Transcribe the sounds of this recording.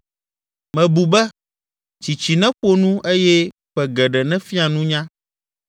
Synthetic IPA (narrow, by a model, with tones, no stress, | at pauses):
mɛ̃˨bu˨bɛ˦ | t͡ɕi˨t͡ɕi˨nɛ̃˦ɸo˦nũ˦ʔe˦jɛ˦ | ɸɛ˨ɡɛ˨ɖɛ˨nɛ̃˦fi˦a˨nũ˦ɲã˦